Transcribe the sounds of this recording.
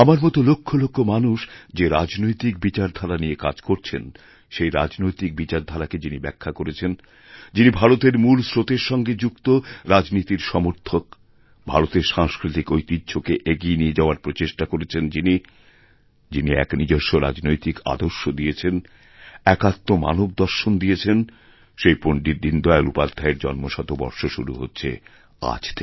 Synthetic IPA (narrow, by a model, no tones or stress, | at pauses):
amaɾmɔt̪olokʰːolokʰːomanuʃd͡ʑeɾad͡ʑnojt̪ik̚bit͡ɕaɾd̪ʱaɾanijeka̰d͡ʑkoɾt͡ɕʰen | ʃejɾad͡ʑnojt̪ik̚bit͡ɕaɾd̪ʱaɾaked͡ʑinibɛkʰːakoɾet͡ɕʰen | d͡ʑinibʱaɾot̪eɾmulsɾot̪eɾʃɔŋɡed͡ʑukt̪oɾad͡ʑnit̪iɾʃɔmoɾt̪ʰok̚ | bʱaɾot̪eɾʃaŋskɾit̪ikojt̪idɕʰokeʔeɡinied͡ʑaoaɾpɾot͡ɕeʃʈakoɾet͡ɕʰend͡ʑini | d͡ʑiniɛ̰knid͡ʑoʃːoɾa̰d͡ʑnojt̪ika̰d̪oɾʃod̪ijet͡ɕʰen | ɛkat̪ːoma̰nob̚d̪ɔɾʃond̪ijet͡ɕʰen | ʃejpoɳɖiɾd̪ind̪ɔalupad̪ʱːaeɾd͡ʑɔ̰nmoʃɔt̪obɔ̰ɾʃoʃuɾṵɦo̰tːɕʰḛ | a̰d͡ʑt̪ʰek